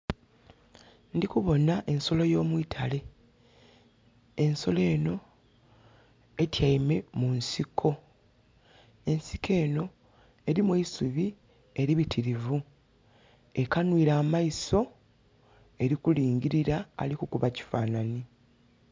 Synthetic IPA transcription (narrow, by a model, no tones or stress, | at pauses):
ndikuβo̞naʔe̞nso̞lo̞jo̞ːmwiːtʰale̞ | nso̞le̞ːno̞ | e̞tjaime̞munsikʰo̞ | e̞nsi̥ke̞ːno̞ | e̞ɾimwaisuβi | e̞ɾiβitʰiɾivu | e̞kanwiːɾaːmaiso̞ | e̞ɾikuliːŋɟiɾiɾa̰ːlikukuβaci̥faːnani